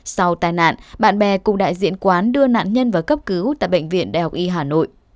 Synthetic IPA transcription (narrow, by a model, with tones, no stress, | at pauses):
sa˧wt̪aː˨˩jna̰ː˧˨nɓa̰ː˧˨nɓɛ˨˩kʊ˨˧˩ŋ͡mɗa̰ː˧˨jzḭ˧˥ənkwaː˨˦nɗɨ˧əna̰ː˧˨nɲə˧nvaː˨˩kə˦˥p̚kɨ˨˦wt̪a̰ː˧˨jɓə̰˧˨ŋ̟vḭ˧˨ənɗa̰ː˧˨jha˨˩k͡p̚ʔi˧ɦaː˨˩no̰˧˨j